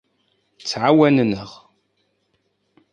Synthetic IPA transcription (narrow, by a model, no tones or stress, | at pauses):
t͡sːʕawænnəʁ